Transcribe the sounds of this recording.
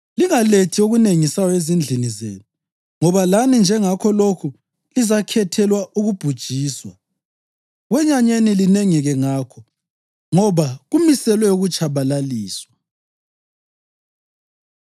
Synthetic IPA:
liŋaletʰioɣuneŋisajɔezind͡ɮʱinizḛːnu | ŋɔβalanind͡ʒʱɛŋakʰɔlokʰu | lizakʰɛtʰɛlwaʔuɣub̥ʱud̥ʒ̥ʱiːswa | ɣwɛɲaɲenilineŋiɣɛŋaːkʰɔ | ŋɔβaɣumisɛlwɛuɣut͡ʃʰʼaβalaliːswa

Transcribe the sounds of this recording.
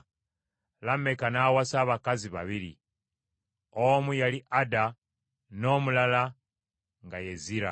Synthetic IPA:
lamekanaːwasaːβakaziβa̰βiɾḭ | omujaliʔada | no̞ːmulala | ŋɡaje̞ziɾa̰

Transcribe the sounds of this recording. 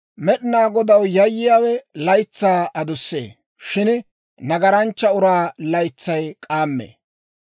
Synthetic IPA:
mɛɗɪnaːɡɔd̪ɐwjɐjːɪjaːwɛlɐjt͡sːaːʔɐd̪ʊsːḛː | ʃɪn | nɐɡɐɾɐnt͡ʃːɐʊɾaːlɐjt͡sːɐjkʼaːmːḛː

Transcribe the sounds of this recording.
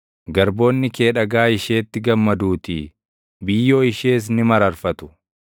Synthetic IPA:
ɡɐɾbo̞ːnːɪke̞ːᶑɐɡaːɪʃe̞ːt̪ːɪɡɐmːɐd̪uːt̪ḭː | bɪjːo̞ːɪʃe̞ːs̬nɪmɐɾɐɾfɐt̪ʊ̥

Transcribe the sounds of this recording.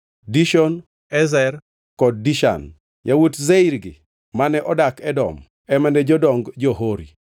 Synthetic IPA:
diʃɔn | ɛzɛr | kɔd̚ːiʃa̰n | jawutzeiɾɡɪ̰ | manɛʔɔdakɛdɔ̰m | ɛmɛndɛd͡ʒɔdɔŋɡd͡ʒɔɦoɾḭ

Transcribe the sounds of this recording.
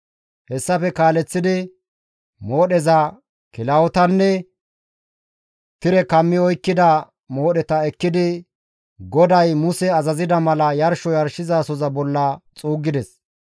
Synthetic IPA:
hɛsːɐfɛkaːlɛt͡sːɪd̪ɪ | mo̞ːɗɛzɐ | kɪlɐwɔt̪ɐnːɛ | t̪ɪɾɛkɐmːɪɔjkːɪd̪ɐ | mo̞ːɗɛt̪ɐɛkːɪd̪ɪ | ɡɔd̪ɐjmʊsɛɐzɐzɪd̪ɐmɐlɐjɐɾʃɔjɐɾʃɪzaːsɔzɐbɔlːɐt͡sʼuːɡːɪd̪ɛs

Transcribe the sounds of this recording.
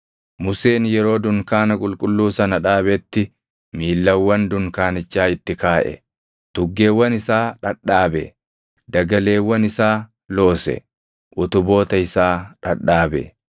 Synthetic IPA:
mʊse̞ːnjɛɾo̞ːd̪ʊŋkaːnɐkʼʊlkʼʊlːuːsɐnɐᶑaːbɛt̪ːɪ | miːlːɐwːɐnd̪ʊŋkaːnɪt͡ʃːaːɪt̪ːɪkaːʔɛ̰ | t̪ʊɡːe̞ːwːɐnɪsaːᶑɐᶑːaːbɛ̰ | d̪ɐɡɐle̞ːwːɐnɪsaː | lo̞ːsɛ̰ | ʔʊt̪ʊbo̞ːt̪ɐɪsaːᶑɐᶑːaːbɛ̰

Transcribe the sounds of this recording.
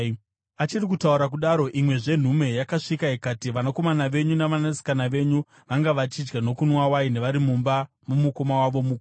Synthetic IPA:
at͡ʃirikutauɾak̬uɗaɾo̞ʔimwe̞ʐe̞n̤ume̞jakaʂikaikatiʋanako̞manaʋe̞ɲunaʋanasi̥kanaʋe̞ɲu | ʋaŋɡaʋat͡ʃid͡ʒɡano̞kunwawaine̞ʋaɾimumba | mumuko̞mawaʋo̞muk

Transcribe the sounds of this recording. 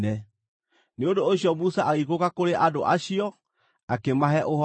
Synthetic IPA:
ɛ | neondoːɕjɔmusaʔaɣikokakoɾeʔadoʔaɕiɔ | akemaɦɛʔoɦɔ

